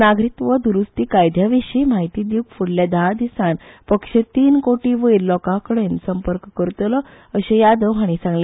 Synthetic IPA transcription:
naɡɾit̪ʋəd̪uɾust̪iːkajd̪ʱjaʋiɕimaɦit̪id̪iukfuɽljad̪aad̪isanpəkʂet̪iːnkoʈiʋəilɔkakəɽensəmpəɾkkəɾt̪lɔ | əɕẽjad̪əʋɦaɽ̃isãŋɡle

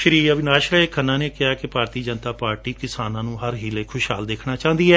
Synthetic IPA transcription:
ʃɾiːəbɪnaːʃɾəekʰənːãːneːkɪaːkɪpaːɾt̪iːd͡ʒənt̪aːpaːɾʈiːkɪsaːnãːnũːɦəɾɦiːleːkʰʊʃɦaːld̪eːkʰnaːt͡ʃãːnd̪iːɛː

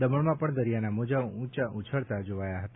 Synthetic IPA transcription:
d̪əməɭmãpəɳd̪əɾijanamod͡ʒaũt͡ʃaʔut͡ʃʰəɭt̪ad͡ʒoʋajaɦətt̪a

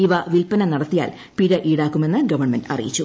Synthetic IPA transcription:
iʋɐʋilpɐnɐnɐɽɐt̪ːija̰ːl | piɾɐʔiːɽaːkːume̞nːɨɡɐʋɐɳmɐndɐ̰rḭjit͡ɕːu

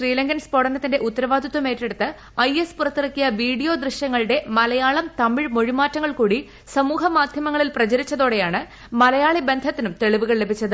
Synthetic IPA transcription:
ʂriːlɐŋɡɐnspo̞ɽɐnɐt̪ːinde̞ʔut̪ːɐɾɐʋaːd̪ʱut̪ːwɐme̞ːtːe̞ɽut̪ːɨ | ɐjespurɐt̪ːirɐkːijɐʋiːɽijo̞ːd̪rɨɕjɐŋːɐɭɨɽe̞mɐlɐjaːɭɐmt̪ɐmiɻmoɻimaːtːɐŋːɐɭkuːɽi | sɐmuːɦɐmaːd̪ʱjɐmɐŋːɐɭilprɐt͡ɕɐɾit͡ɕːɐðoːɽejaːɳɨ | mɐlɐjaːɭibe̞nd̪ʱɐt̪ːinumt̪e̞ɭiʋuɣɐɭle̞bʱit͡ɕːɐðɨ

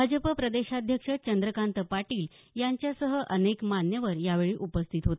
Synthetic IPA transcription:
ad͡ʑəpəpɾəd̪eɕad̪ʱjəkʂət͡ɕənd̪ɾəkant̪əpaʈiːl | jaɲt͡ɕjasəɦəʔənekmanjəʋəɾjaʋeɭiːʔupəst̪ʰit̪ɦot̪

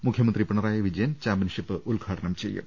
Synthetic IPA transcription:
mukʰjɐmɐnd̪ripɐɳɐɾaːjɐʋid͡ʑɐjɐnt͡ɕaːbɐnʂipːɨʔulɡʱaːʈɐɳɐmt͡ɕḛjːṵm

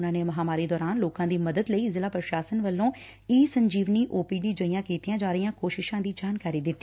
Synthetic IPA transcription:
ʊnãːneːməɦaːmaːɾiːd̪ɔːɾaːnloːkãːd̪iːməd̪əd̪ləiːzɪlaːpɾəʃaːsənʋəlːõː | iːsəɲd͡ʒiːʋniːʔoːpiːniːd͡ʒəiːjãːkiːt̪ijãːd͡ʒaːɾəɪjãːkoːʃɪʃãːd̪iːd͡ʒaːnkaːɾiːd̪ɪt̪ːiː

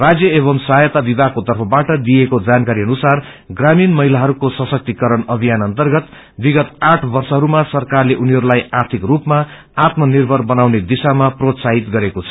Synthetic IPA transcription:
rad͡zjʌeβʌmsʌɦajʌt̪abibakot̪ʌrpʰʌbaʈʌd̪ijekod͡zankaɾiʌnusar | ɡraminmʌɦilaɦʌɾukosʌsʌk̚t̪ikʌɾʌnʌbʱijanʌnt̪ʌrɡʌt̪ | biɡʌt̪aʈʰbʌrsʌɦʌɾumasʌrkarleʔuniɦʌɾulajart̪ʰikrupmaː | t̪mʌnirbʱʌrbʌnawned̪isamaprot̪saɦit̪ɡʌɾekot͡sʰʌ

